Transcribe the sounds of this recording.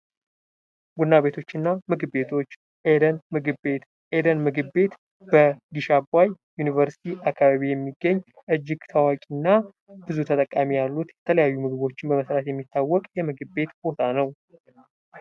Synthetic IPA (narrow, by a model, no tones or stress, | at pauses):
ɡunːaβe̞t̪ʰo̞t͡ʃːɨnːamɨɡbe̞t̪ʰo̞t͡ʃː | eənmɨɡet̪ | ʔed̪ənmɨɡɨbe̞t̪ | b̥əɡiʃabaj | junivəɾsi̥t̪ʰiʔakʰːaβaβijɛmːiɡːəɲː | ʔɨd͡ʒːɪɡt̪ʰawakʼinːa | bɨzut̪ʰət̪ʼəkʼːamijalːut̪jɛt̪ʰələjajːumɨɡɨβo̞t͡ʃːɪnbəməsɾat̪jɛmːit̪ʰːawːɔkʼjɛmɨɡɨbe̞t̪b̥o̞t̪ʰanəw